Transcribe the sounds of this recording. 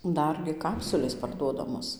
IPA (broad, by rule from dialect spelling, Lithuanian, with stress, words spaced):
ˈdɐrʲɡʲɪ ˈkɑːpsʊlʲeːs pɐrˈduɔdɐmoːs